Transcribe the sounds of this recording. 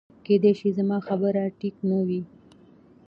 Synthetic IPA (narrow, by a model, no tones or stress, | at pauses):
ked̪eʃizamɑxabəɾaʈiknəwi